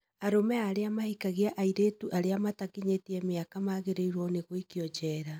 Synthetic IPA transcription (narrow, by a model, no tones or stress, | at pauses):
aɾomɛaːɾeamahikaɣeaʔaiɾeːtuʔaɾeamatakiɲetiɛmeakamaɣeɾeiɾwɔneɣoikiɔd͡ʒɛːɾa